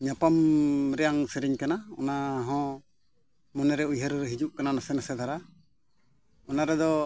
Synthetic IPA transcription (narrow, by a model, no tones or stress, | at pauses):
ɲapamɾɛjaŋsɛɾiɲkanaɔ̰naɦɔ̃ | mɔnɛɾɛujɦəɾɦid͡ʒuʔkananasɛnasɛd̪ʰʱaɾa | ɔnaɾɛd̪ɔ